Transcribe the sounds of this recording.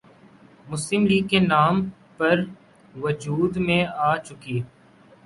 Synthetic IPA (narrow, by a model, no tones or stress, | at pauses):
mʊslɪmliːɡkːenaːm | pɐɾ | ʋʊd͡ʒuːd̪mẽaːt͡ʃʊkiː